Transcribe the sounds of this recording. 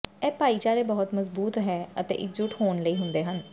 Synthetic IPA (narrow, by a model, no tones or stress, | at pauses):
ɛːpaːiːt͡ʃaːɾeːbəɦʊt̪məzbuːt̪ɦɛːət̪ḛːʔɪk̚d͡ʒʊʈɦoːnləiːɦʊ̃nd̪eːɦən